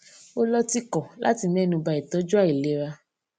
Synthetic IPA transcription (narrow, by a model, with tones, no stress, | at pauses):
o˦lɔ˧ti˧kɔ˨lʔa̰˦ti˧mɛ̃˦nũ˧ba˧i˨tɔ˨˦d͡ʒu˦a˦˨i˨le˨˦ɾa˧